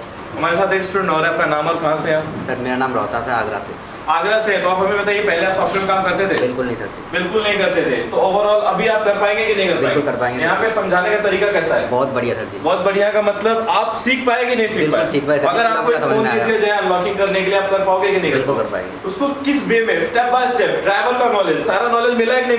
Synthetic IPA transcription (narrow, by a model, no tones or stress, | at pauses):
ɦɐmaːɾesaːt̪eːksʈɾẽɳɖɔːɾaɦɛɐp̚kanaːmaːlkɐɦãsejaːpsɐɾmeːɾanaːmɾɔ̰ːt̪at̪ʰɛa̰ːɡɾa̰sḛ | aːɡɾaseɦɛt̪oaːpɦɐmebɐt̪aːiepɛɦleaːpsɔːplemkaːmkɐɾt̪et̪ʰeːbɪlkʊlnɐ̃ɦĩsɐ̰k̚t̪ebɪlkʊlnɐɦĩkɐɾt̪et̪ʰḛt̪ooːʋəɾɔːlɐbʱiaːp̚kɐɾpaːẽːŋɡekinɐ̃ɦĩkɐɾpbɪaẽkʊlɡkɐɾpaːẽŋɡejɐɦãpesɐ̃md͡ʒʱaːnekat̪ɐɾiːkakɛːsaɦɛ̰ːbɔːt̪bɐɽijasɐɾt̪ʰḭbɔːt̪̚bɐɽ̤ijãkamɐt̪ləbaːpsiːk̚paːeɡinɐɦĩsiːkɪpasiːk̚paɐɡɡəɾaːkoeːkfoːnid͡ʒied͡ʒaẽaplɔːkɪ̃ŋɡkɐɾnekeliaːp̚kɐɾpaːõŋɡekinɐ̃ɦĩkɐlpka̰kɐɾpa̰ḛ̃ŋɡḛʊskokɪsbeːmẽssʈɛːpbaːsʈɛːkɖɾaːɪʋəlk̪anɔːled͡ʒsaːɾanɔːleːd͡ʒmɪlaepne